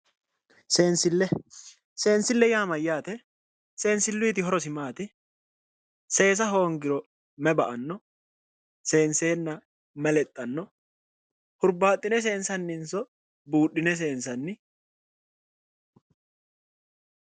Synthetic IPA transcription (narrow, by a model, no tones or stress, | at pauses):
seːnsɪlːɛ | se̞ːnsɪlːɛjaːmɐjaːt̪ɛ | se̞ːnsɪlːʊːt̪ɪɦɔɾɔsɪmaːt̪ɪ | se̞ːs̬ɐɦo̞ːŋɡɪɾɔ | mɛbɐʔɐnːɔ | se̞ːnse̞ːnːɐ | mɛlɛt̪ʼːɐnːɔ | hʊɾbaːt̪ʼːɪnɛs̬e̞ːnsɐnːɪnsɔ | buːɗɪnɛs̬e̞ːnsɐnːɪ